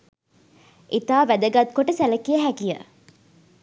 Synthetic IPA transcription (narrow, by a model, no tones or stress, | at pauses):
ʔit̪aːʋæd̪əɡat̪̚koʈəsæləkijəɦækijə̰